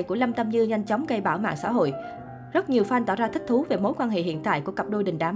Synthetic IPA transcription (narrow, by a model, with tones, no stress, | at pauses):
jku˧˩əla˧mt̪ə˧mɲɨ˧ɲa˧jŋ̟t͡ɕɔ˨˦wŋ͡mɣə˧jɓaː˧˩wma̰ː˧˨ŋsa̰ː˧˥ɦo̰˧˨j | zə˦˥t̚ɲi˨˩əwfaː˧jt̪ɔ̰˧˩wzaː˧ï˦˥k̟̚t̪ʰu˨˦ve˨˩mo˨˦jkwaː˧nɦḛ˧˨hḭ˧˨ənt̪a̰ː˧˨jku˧˩əkə˨˩p̚ɗo˧jɗï˨˩ŋ̟ɗaː˨˦